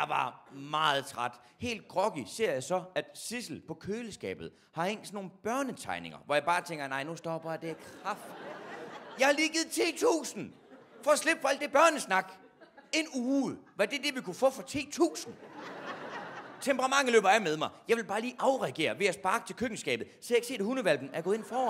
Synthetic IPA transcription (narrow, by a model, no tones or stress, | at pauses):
jɑ̈ʋɑ̈mɑ̈ːð̞̩ˠt͡sʰʁɑd̥ | he̝̰ːld̥̚ɡ̥ʁɒ̽ɡ̥ise̝ɐ̰jɑ̈ɪsɒ̽æd̥sisl̩pʰɒ̽kʰøːləsɡ̥ɛ̰ːb̥ð̩ˠ | hɑ̈heŋ̰sno̝ːnb̥ɶɐnət͡sʰɑ̈ɪne̝ŋɐʋɒjɑ̈ɪb̥ɑ̈ːt͡sʰeŋ̰ɡ̥ɐnɑ̈ɪnusd̥ɒb̥ɐd̥e̝ækʰʁɑfd̥ | jɑ̈ɪhɑ̈liːɡ̥ið̩ˠt͡sʰḭːt͡sʰṵːsn̩ | fɒ̽ɒsle̝b̥fʰɒ̽æl̰d̥eb̥ɶɐnəsnɑ̈ɡ̥ | e̝nuːʋɑd̥e̝d̥e̝ʋikʰufɔ̰̽ːfɒ̽t͡sʰḭːt͡sʰṵːsn̩ | t͡sʰembəʁɑ̈mɑ̈ŋ̰əlø̰ːb̥ɐæmeð̞ˠmɑ̈ɪjɑ̈ɪʋe̝lb̥ɑ̈ːliːʔɑ̈ʊʁɛɡ̥e̝̰ːɐʋe̝æsb̥ɑ̈ːɡ̥ə̥t͡sʰe̝lkʰøɡ̥n̩sɡ̥ɛ̰ːb̥ð̩ˠseeɡ̥se̝̰ːdehunəʋælb̥n̩æɐɡ̥ɔðˠe̝nfɒː